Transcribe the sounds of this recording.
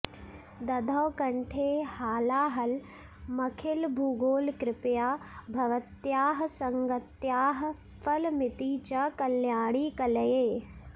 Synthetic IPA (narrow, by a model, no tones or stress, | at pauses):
d̪ɐd̪ʱɐwkɐɳʈʰeːhaːlaːɦɐl | mɐkʰɪlbʱuːɡoːlkɾɪpjaːbʱɐʋɐt̪jaːɦsɐŋɡɐt̪jaːɦ | pʰɐlmɪt̪iːt͡ʃɐkɐljaːɽiːkɐləjeː